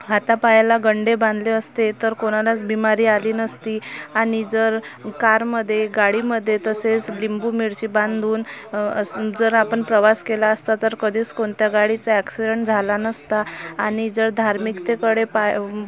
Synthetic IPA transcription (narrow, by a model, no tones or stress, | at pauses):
at̪apajlaɡəɳɖebãnd̪ʱleəst̪et̪əɾkoɽ̃alat͡sbimaɾiːaliːnəst̪iːaɽ̃id͡zəɾkaɾməd̪ʱːjeɡaɽiməd̪ʱːjet̪əset͡slimbuːmiɭt͡ɕiːbãnd̪ʱuːnəd͡zəɾapəɳpɾəʋaskelaəst̪at̪əɾkəd̪ʱiːt͡skoɳt̪jaɡaɽit͡saɛksiɖəɳʈd͡zʱalanəst̪aːɽ̃id͡zəɾd̪ʱaɾmikt̪ekəɽepaj